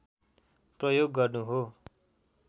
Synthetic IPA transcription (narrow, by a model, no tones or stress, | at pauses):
prʌjoɡːʌrnuɦo